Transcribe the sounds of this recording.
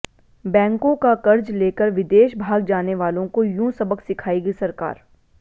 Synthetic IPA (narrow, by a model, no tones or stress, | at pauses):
bɛ̃ːŋkõkakɐɾd͡ʒleːkəɾʋɪd̪eːʃbʱaːɡd͡ʒaːneʋaːlõkojũːsɐbəksɪkʰaːiɡisɐɾka̰ːɾ